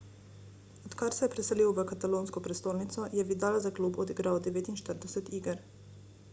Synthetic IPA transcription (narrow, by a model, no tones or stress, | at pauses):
ot̪kaɾsɛjɛpɾɛseliːwʋəkat̪aloːnskɔpɾest̪oːlnit̪sɔjɛʋid̪aːlazakluːbod̪iɡɾawd̪ɛʋeːt̪inʃt̪əɾd̪ɛsɛt̪iːɡəɾ